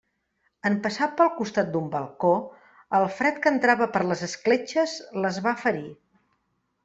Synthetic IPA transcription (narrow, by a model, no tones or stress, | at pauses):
əmpəsat̪̚pəlˠkust̪at̪̚d̪umbəlˠko | əlˠfɾɛt̪kənt̪ɾaβəpəɾləzəsklet͡ʃəzləzβafəɾi